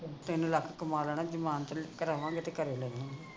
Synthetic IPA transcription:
t̪enũːləkʰkəmaːləɳaːd͡ʒəmaːnt̪kəɾaːʋãːŋɡet̪eːkəɾeːlɛːʋãːɡeː

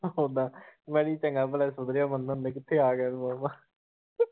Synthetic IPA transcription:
ɦõːd̪aːmɛːɽiːt͡ʃəŋɡaːpəlɛːsʊd̪ɾɪjaːmənːãnd̪ẽːkɪt̪ʰːeːaːɡɛːlmaːmaː

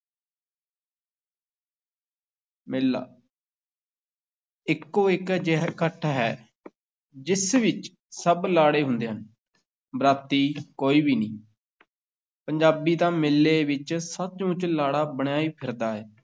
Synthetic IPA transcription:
mɪlːa̰ː | ɪkːoːɪkd͡ʒɛɦkəʈʰːaɦɛː | d͡ʒɪsʋɪt͡ʃ | səblaːɽeːɦʊ̃nd̪eːɦən | bɾaːt̪iːkoːiːbiːnĩː | pəɲd͡ʒaːbiːt̪ãːmɪlːeːʋɪt͡ʃsət̪t͡ʃũːt͡ʃlaːɽaːbəɽ̃aːiːpʰɪɾd̪aːɦɛː

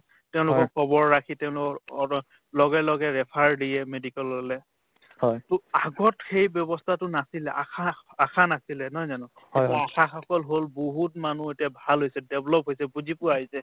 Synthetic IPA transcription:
teʊ̃lʊkɔkʰɔbɔɹːakʰitɛʊ̃lʊkɔ | lɔɡɛlɔɡɛɹɛpʰaɹdijɛmedikɛlɔlɛ | hɔjtʊaɡɔtxejbjɔbɔstʰatʊnasilɛʔa̰kʰaakʰanasilɛnɔjzanɔ | akʰaxɔkɔlɦolboɦut̚manuetijabʱalɦojsɛdɛblɔp̚ɦojsɛbuzipʊaɦisɛ

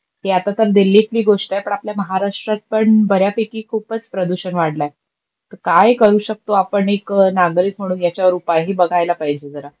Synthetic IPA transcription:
ɦeat̪at̪əɾd̪ilːikliːɡoʂʈajpəɳapljaməɦaɾaʂʈɾat̪̚pəɳbəɾjapekiːkʰuːpət͡spɾəd̪uɕənʋaɽlaj | t̪əɾkajkəɾuːɕək̚t̪oapəɳeknaɡɾiːk̪m̤əɽ̃uːnjat͡ɕjaʋəɾupajɦiːbəɡʱajlapaɦid͡ʑed͡zəɾa

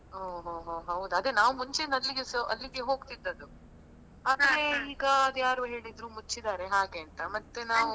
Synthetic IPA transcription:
oːɦoːɦoːɦɐwud̪ɐd̪enaːʋumuɲt͡ʃeɐlːiɡesɐlːiɡeɦo̞ːɡt̪id̪ːɐd̪u | aːd̪ɐɾeiːɡɐɐd̪jaːɾuɦe̞ːɭid̪ɾuːmut͡ʃːid̪aːɾe̞ɦaːɡe̞ːɐnt̪ɐmɐt̪ːe̞naːʋu

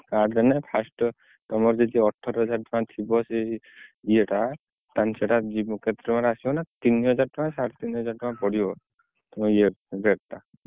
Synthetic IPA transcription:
kaɾdɛnɛpʰasʈ | t̪ɔmɔɾzɔd̪iɔʈʰːɔɾɦɔzaɾʈɔkãt̪ʰibɔsɛ | ieʈa | t̪ansɛʈazimuket̪ɾɔmaɾasibɔnat̪iniɦɔzaɾtɔkãsaɾt̪iniɦɔzaɾʈɔkãpɔɽibɔ | t̪ɔɔijebɛta

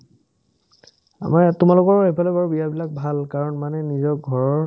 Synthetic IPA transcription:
a̰matʊmalʊkɔɹxepʰalɔbaɹubijabilak̚bʱalkaɹɔnmanɛnizɔk̚ɡʱɔɹɔɹ

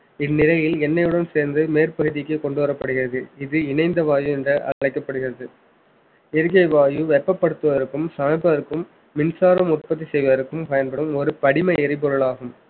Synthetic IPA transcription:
ɪnːɪlɐjɪlɛnːɐjɯɽɐnseːɾnd̪ɯmeːɾpɐɣɯðɪkːɯkɔɳɖɯʋɐɾɐpːɐɽɯɣɪɾɐðɯɪðɯɪnɐɪnd̪ɐʋaːjɯɛndrɐʔɐ̰ɐɭɐɪkːɐpːɐɽɯɣɪrɐðɯ | ɛɾɯɣɐɪʋaːjɯʋɛpːɐpːɐɽɯt̪ːɯʋɐðɐɾɯkːɯmsɐmɐɪpːɐðɐɾɯkːɯmː | ɪnsaːɾɐmʊrpɐt̪̬ːisɛjʋɐðɐɾɯkːɯmpɐjɐnpɐɽɯmɔɾɯpɐɽɪmɐɛɾɪp̬ɔɾɯɭaːɣɯm

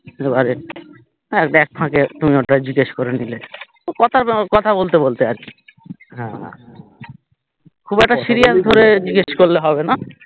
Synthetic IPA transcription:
ebaɾe | ɛkʈɛk̚pʰãket̪umiokːad͡ʑiɡeʃkoɾenile | okɔt̪ʰaɾkɔt̪ʰabolt̪ebolt̪eaɾki̥ɦɛ̰̃ | kʰubɛk̚ʈaʃiɾijat̪d̪ʱoɾed͡ʑiɡeʃkoɾleɦɔbena

